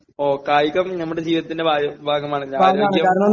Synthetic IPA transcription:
oːkaːjikːɐmnɐmːuɽed͡ʑiːʋiðɐt̪ːindebʱaːbʱaːɡɐmaːɳɨɲaaːoɐːaːɳjɐkaːɾɐɳɐ

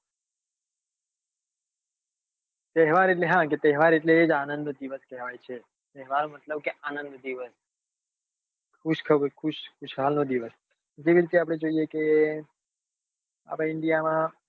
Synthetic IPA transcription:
t̪ɛɦʋaɾeʈleɦãket̪ɛɦʋaɾeʈleːd͡ʒanənd̪d̪iʋəskɛɦʋajt͡ʃʰe | t̪ɛɦʋaɾnomət̪ləb̚keanənd̪d̪iʋəs | kʰuʃkʰəkʰuʃkʰʊʃɦalnod̪iʋəs | d͡ʒeʋiɾit̪eap̬ɽ̃ed͡ʒoijeke | a̰pãɪɳɖijamã

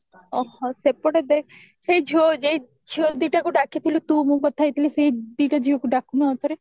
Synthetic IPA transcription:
ɔhɔ̃sepɔɽed̪ek | sejd͡ʒʱod͡ʒej | d͡ʒʰiod̪iʈakuɖakʰit̪ʰilut̪umũkɔt̪ʰajt̪ʰilisejd̪iʈad͡ʒiokuɖakʰunoɔt̪ʰɔɾe

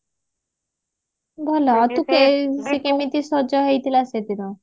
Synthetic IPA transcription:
bʱɔlɔt̪ukesekemit̪isɔd͡ʒɔɦejt̪ʰilased̪inɔ

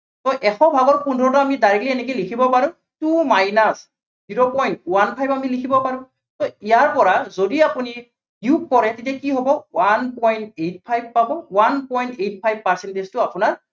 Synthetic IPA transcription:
tɔʔɛxɔbʱaɡɔɹpundʱɔɹɔtɔamidaɹikliɛnɛk̬elikʰibɔpaɹũ | tumajnas | ziɹopɔjntwanpʰajbamilikʰibɔpaɹʊ̃ | tɔijaɹpɔɹazodiapuni | iuk̚kɔɹɛtitakiɦɔbɔwanpɔjntet̚pʰajb̚pabɔwanpɔjntejtpʰajb̚paɹsɛntestʊapunaɹ

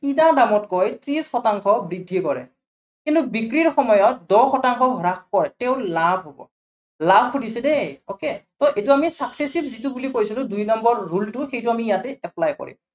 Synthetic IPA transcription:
idadamɔtkɔjtɹisxɔtaŋkʰɔbɹidʱːikɔɹɛ̰ | kintubikɹiɹxɔmɔjɔt̚dɔxɔtaŋkʰɔɦɔɹakkɔɹɛtɛʊ̃labʱɦobɔ̰ | labʱkʰutisɛdɛoketɔʔetuamisaksesibzitubulikoɹisilʊ̃dujnɔmbɔɹːultʊxejtuamiːjatɛɛplajkɔ̰ɹḭm

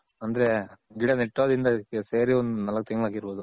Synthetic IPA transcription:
ɐnd̪ɐɾeɡiɽɐneʈːoːd̪ind̪ɐkːeseːɾiond̪unɐlɐk̚t̪iŋɡɐɭaːɡiɾboːd̪u

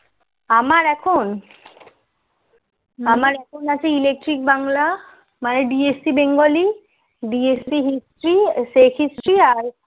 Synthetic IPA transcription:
amaɹɛkʰon | amaɹɛkʰonasʰɛilek̚ʈɹik̚baŋla | maneɖiesibeŋɡoli | ɖiesiɦistɹisekʰistɹiaɹ

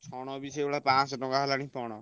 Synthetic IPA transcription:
t͡ʃʰɔɽ̃ɔbisʰɔewɽapãt͡ʃʈɔkaɦɔlaɽ̃ĩpɔɽ̃ɔ

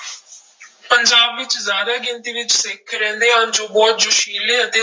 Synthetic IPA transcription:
pəɲd͡ʒaːbʋɪt͡ʃzjaːd̪aːɡɪ̃nt̪iːʋɪt͡ʃsɪkʰɾɛ̃ːnd̪eːɦãːnd͡ʒõːbɔːt̪̚d͡ʒʊʃiːlẽːət̪eː

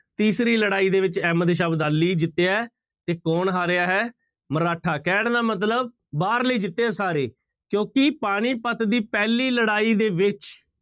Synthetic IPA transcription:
t̪iːsɾiːləɽaːiːd̪eːʋɪt͡ʃɛːməd̪ʃ̬aːbd̪aːlːiːd͡ʒɪt̪ːeːɛː | t̪eːkɔːnɦaːɾɪaːɦɛː | məɾaːʈʰaːkɛːɳd̪aːmət̪̬ləb̚ | baːɾliːd͡ʒɪt̪ːeːɛːsaːɾḛː | kjõːkɪpaːɽ̃iːpət̪d̪iːpɛːliːləɽaːiːd̪eːʋɪt͡ʃ

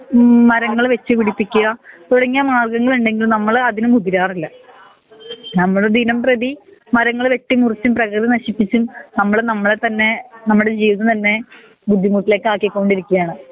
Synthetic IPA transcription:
mɐɾɐŋːɐɭʋet͡ɕːɨpiɽipːikʲːuɣɐt̪uɽɐŋːijɐmaːɭkɐŋːɐɭuɳɖe̞ŋɡilnɐmːɐɭɐðinumbud̪ʱːiɾaːrilːɐ | nɐmːɐɭed̪ʱinɐmprɐðimɐɾɐŋːɐɭʋe̞ʈːimurit͡ɕːumprɐkrɨðinɐɕipːit͡ɕːumnɐmːɐɭnɐmːɐɭet̪ɐnːe̞nɐmːuɽed͡ʑijʋɐnːɐt̪ɐnːe̞ | bud̪ʱːimuːʈːile̞ːkːɨaːkːikːo̞ːɳɖiɾikʲːuɣjaːɳɨ

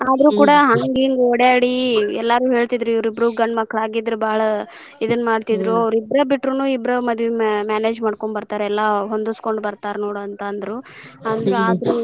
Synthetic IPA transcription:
aːd̪ɾuːkuːɽɐɦaːŋɡiŋɡɔɽjaːɽiɛlːaɾuːɦe̞ːɭt̪id̪ɾuiʋɾibɾuːɡɐɳɖmɐkːɐɭaːɡid̪ɾubaːɭɐ | id̪ɐnːmaːɽt̪id̪ɾuɐʋɐɾibɾɐbiʈːɾunuːibɾɐmɐd̪ʋimaːne̞ːd͡ʒmaːɽkoɳɖbɐɾt̪aːɾɛlːɐɦond̪usko̞ɳɖbɐɾt̪aːɾnoːɽuɐnt̪ɐnd̪ɐɾu | ɐnd̪ɾaːd̪ɾu

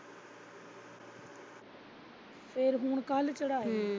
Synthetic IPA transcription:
pʰeɾɦʊɳ̃kəlt͡ʃəɽaːeː

